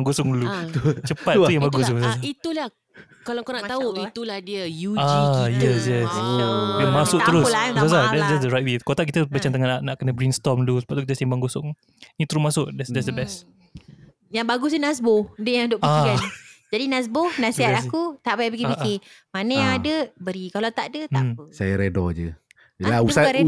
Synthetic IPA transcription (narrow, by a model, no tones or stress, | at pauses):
aŋɡosʊŋlut͡ʃəpat̪ujãŋbaɡus̬əsasait̪ulah | kalakonaʔt̪auit̪ulahdiəjuajɛsjɛsjamasʊʔt̪əɾʊsasasadɛtsdɛts̬dəɾajt̚wekot̪aʔkit̪əbət͡ʃaŋt̪əŋanaʔnaʔkənəbɾinst̪ɔmd̪usə̥baʔ̚t̪ukit̪əsembaŋɡosʊŋ | nĩt̪əɾʊsmasʊʔdɛsdɛtsdəbɛst | jaŋbaɡʊsinasbohdəjãdoʔpiaikand͡ʒadinas̬bohnasiɦat̪̚akut̪aʔpajap̬ikipikimanəjaŋadəbəɾikalawt̪aʔdət̪məsajaɾedɔ̰d͡ʒə | lausa